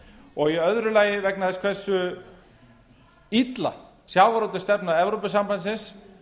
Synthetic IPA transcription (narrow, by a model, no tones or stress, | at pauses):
ɔɣiœðɾʏlaːjɪvɛknaθɛskʰv̥ɛsːʏ | it̪la̰ | sjaːwvaɾɔwt̪ast̪ɛpnaðɛvɾowpʏsampbansɪns